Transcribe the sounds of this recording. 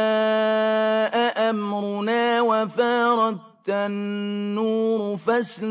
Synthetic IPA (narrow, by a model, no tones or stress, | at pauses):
ʔaʔamɾʊnaːwafaːɾˤɑt̪ | anːuːɾʊfas